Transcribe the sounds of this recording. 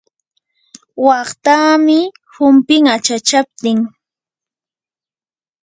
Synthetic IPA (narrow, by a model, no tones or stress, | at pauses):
wɑχt̪aːmɪ | hʊmpɪŋat͡ʃat͡ʃap̚t̪ɪŋ